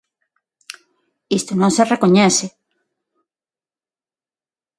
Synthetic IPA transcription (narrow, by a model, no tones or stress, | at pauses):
ist̪onõŋserekoɲɛse